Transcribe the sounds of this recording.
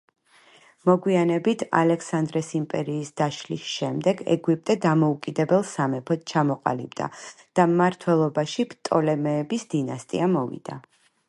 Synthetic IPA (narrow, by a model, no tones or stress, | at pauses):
mɔɡwianɛbit̪ʰa̰lɛksand̪ɾɛsimpʼɛɾiːsd̪̥aʃlisʃɛmd̪ɛɡɛ̰ɡwip̚ʼt̪ʼɛd̪amɔukʼid̪ɛbɛlˠsamɛpʰɔt̪̚t͡ʃʰamɔqʼa̰lḭbd̪a̰ | d̪̥amaɾt̪ʰwɛlˠɔbaʃipt̪ʼɔlɛmɛːbisd̪̥inast̪ʼḭamɔvḭd̪̥a